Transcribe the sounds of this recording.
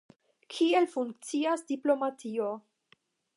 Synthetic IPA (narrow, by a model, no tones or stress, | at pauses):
kʰie̞lfuŋk̚t͡siasdiplo̞matʰio̞